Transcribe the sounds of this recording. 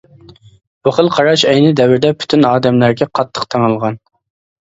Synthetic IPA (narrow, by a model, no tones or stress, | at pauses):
b̥uχəlˠqʰɑɾɑʃɛjnɪd̪ɛwɪɾd̪ɛpʰy̥t̪ʰynɑːd̪ɛmlæɾɡʲɛqʰɑt̪ʰːə̥qt̪ʰɛŋɨlˠʁɑn